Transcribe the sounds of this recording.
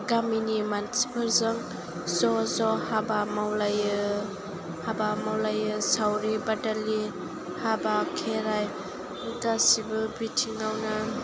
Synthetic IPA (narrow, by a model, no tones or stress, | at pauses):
ɡaminimansi̥pʰɯɾzɯŋ | zɔzɔhabamawlajɯ | habamawlajɯsawɾibadali | habakʰeɾaj | ɡasibɯbitʰiŋawna